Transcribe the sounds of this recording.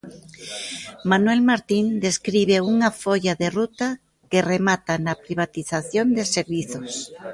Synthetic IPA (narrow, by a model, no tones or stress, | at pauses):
manwelmaɾt̪ind̪eskɾiβ̞euŋafoʎaðerut̪a | keremat̪anapɾiβ̞at̪iθaθjond̪eseɾβiθos